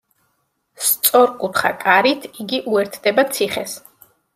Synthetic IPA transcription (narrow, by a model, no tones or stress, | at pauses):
st̪sʼɔɾkʼut̪ʰχa̰kʼaɾit̪ʰiɡiʔuɛɾt̪ʰd̪ɛbat̪sʰiχɛs